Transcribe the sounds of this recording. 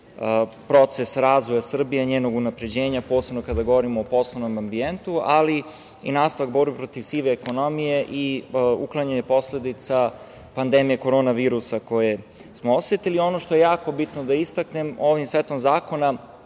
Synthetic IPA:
pɾo̞t̪se̞sɾaːzʋo̞jasr̩bijeɲeːno̞ɡunapɾe̞d͡ʑe̞ːɲapo̞ːsebnokad̪aɡo̞ʋoɾimoːpo̞slˠoʋno̞mambient̪uali | ḭnaːst̪aʋak̚boɾbepɾo̞t̪iʋsiːʋeːko̞no̞mije̞ʔiuklˠaɲaɲepo̞sle̞d̪it̪sa | pand̪emije̞ko̞ɾo̞ːnaʋiːɾusako̞je̞ | smoosʋet̪ilio̞no̞ʃt̪o̞je̞jaːko̞bit̪nod̪aist̪akne̞mo̞ʋimsʋet̪omzaːko̞na

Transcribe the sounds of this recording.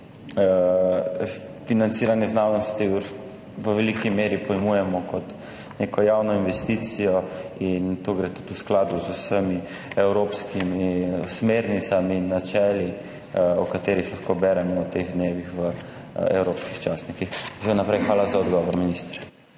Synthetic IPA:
finant̪siːɾanjɛznaːwnɔst̪i | ʋəʋɛlikimeːɾipɔjmujɛmɔkɔt̪ | neːkɔjawnɔinʋɛst̪iːt̪sijɔint̪oɡɾeːt̪u̥t̪usklaːd̪uzusəmi | ɛwɾoːpskimismeɾnit̪saminːat͡ʃɛːli | ɔkat̪eːɾixlaxkobɛɾɛmɔwt̪eɣd̪neːʋixʋə | ɛ̰wɾoːpskixt͡ʃasnikixsɛwnapɾɛjxʋaːlazaɔd̪ɡɔʋɔɾminist̪ɾɛ

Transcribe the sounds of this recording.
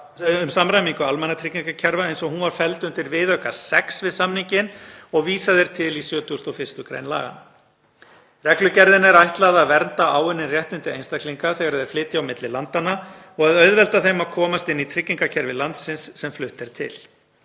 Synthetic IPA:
ʏmsamɾajmiŋkʏalmɛnat̪ʰɾɪcːiŋkacʰɛɾvaejnsɔɦunvaɾ̥fɛlt̪ʏnt̪ɪɾvɪðœhkḁsɛksvɪðsamniɲcɪnɔɣviːsaðɛɾ̥t̪ʰɪlisjœːt̪ʏɔst̪ɔɣfɪ̥st̪ʏkɾḛjnla̰ːɣa̰n | rɛklʏcɛɾðɪnɛɾajht̪laðaðvɛɾnt̪aaːwɪnːɪnrjɛht̪ɪnt̪ɪejnst̪akʰliŋkaθɛɣaɾðɛɾflɪːt̪ɪawmɪt̪lɪlant̪anːa | ɔɣaðœɥðvɛlt̪aθejmaðkʰɔːmast̪ɪnːit̪ʰɾɪcːiŋkacʰɛɾvɪlant̪sɪnsːɛmflʏht̪ɛɾ̥t̪ʰɪ̰l

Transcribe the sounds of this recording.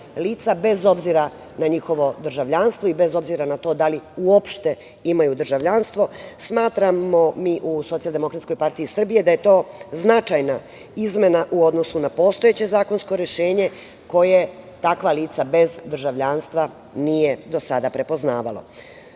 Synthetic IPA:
liːt̪sabe̞zo̞bziɾa | naɲixo̞ʋo̞d̪r̩ʒaʋʎanst̪ʋoibe̞zo̞bziɾanat̪o̞d̪aliuo̞pʃt̪e̞ | imajud̪r̩ʒaʋʎanst̪ʋo̞smaːt̪ɾamo̞miːʔusot̪iald̪emo̞kɾat̪sko̞jpaɾt̪iisr̩bije̞d̪aje̞t̪o̞ːznat͡ʃajna | izme̞naʔuo̞d̪nosunapo̞ːst̪o̞je̞t͡ɕe̞zaːko̞nsko̞ɾe̞ʃe̞ːɲe̞ | ko̞jet̪akʋaliːt̪sabe̞zd̪rʒaʋʎaːnst̪ʋa | nijed̪o̞sad̪apɾe̞po̞znaːʋalˠo̰

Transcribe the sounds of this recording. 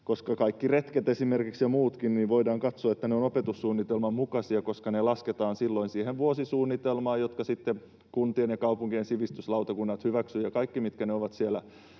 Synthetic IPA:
koskɑkɑikːiret̪ket̪esimerkiksjɑmuːt̪kinniːʋoidɑːŋkɑt̪soɑet̪ːæneonopet̪usːuːnːit̪elmɑmukɑsiɑkoskɑnelɑsket̪ɑːnsilːoinsiːheʋʋuosisuːnːit̪elmɑːjot̪kɑsit̪ːe | kunt̪ienjɑkɑupuŋkiensiʋist̪yslɑwt̪ɑkunːɑt̪hyʋæksyjɑkɑikːimit̪kæneoʋɑt̪sielæ

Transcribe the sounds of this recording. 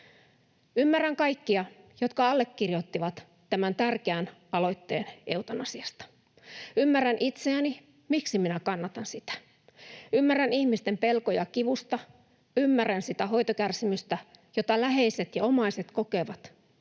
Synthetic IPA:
ymːærːæŋkɑikːiɑ | jot̪kɑɑlːe̞kːirjo̞t̪ːiʋɑt̪ː | æmænt̪ærkeænɑlo̞jt̪ːe̞ːnewt̪ɑnɑsiɑst̪ɑ̥ | ymːærːænʔit̪seæni | miksiminækɑnːɑt̪ɑnsit̪æ̥ | ymːærːænihmist̪e̞mpe̞lko̞jɑkiʋust̪ɑ | ymːærːænsit̪æɦo̞jt̪okærsimyst̪æjot̪ɑlæɦe̞ise̞t̪jɑomɑise̞t̪koke̞ʋɑt̪

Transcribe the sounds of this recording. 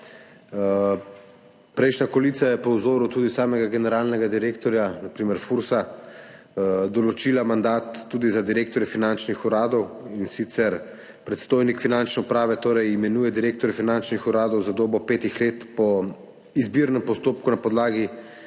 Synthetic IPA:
pɾɛjʃnakɔlit̪sajɛpɔwzoːɾut̪uːd̪isaːmɛɡaɡɛnɛɾaːlnɛɡad̪iɾeːk̚t̪ɔɾjanapɾiːmɛɾfuɾsa | d̪ɔlɔt͡ʃiːlamand̪aːt̪ːud̪izad̪iɾeːkt̪ɔɾjɛfinant͡ʃnixuɾaːd̪ɔwinsit̪sɛɾ | pɾɛt̪st̪oːjnikfinant͡ʃnɛupɾaːʋɛt̪oːɾɛjimɛnuːjɛd̪iɾeːk̚t̪ɔɾjɛfinant͡ʃnixuɾaːd̪ɔwzad̪oːbɔpeːt̪ixleːt̪pɔ | izbiɾnɛmpɔst̪oːp̚kunapɔd̪laːɡi

